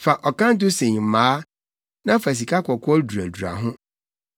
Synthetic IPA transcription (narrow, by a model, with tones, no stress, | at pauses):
fa˨ʔɔ˨kã˦n̩˦t̬ʊ˦sẽ˨ɲ˨m̩˨mãː˨˦ | nã˦fa˨s̬i˨kʰa˦kɔ˨kʰɔ˦du˨ɾæ˨du˨ɾa̰˨ɦʊ̃˦